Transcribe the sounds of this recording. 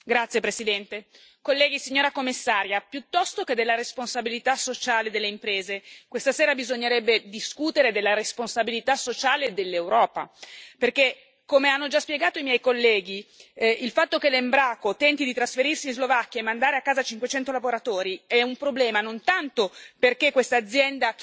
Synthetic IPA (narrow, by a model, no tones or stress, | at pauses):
ɡɾat̪sːjepɾesid̪ɛnt̪e | kolːɛːɡisiɲːoːɾakomːisːaːɾjapjut̪ːɔst̪oked̪elːaɾesponsabilit̪asot͡ʃaːled̪elːeimpɾeːzekwest̪aseːɾabizoɲːeɾɛbːed̪iskuːt̪eɾed̪elːaɾesponsabilit̪asːot͡ʃaːled̪elːewɾɔːpa̰perke | komeanːod͡ʒaspjeɡaːt̪oimjɛjkolːɛːɡiilfat̪ːokelːembɾaːkot̪ɛnt̪id̪it̪ɾasfeɾirsinzlovakːjaemːand̪aːɾeakːaːzat͡ʃiŋkwet͡ʃɛnt̪olavoɾat̪ɔːɾiɛumpɾoblɛːmanont̪ant̪operkekwest̪aːd̪zːjɛnd̪a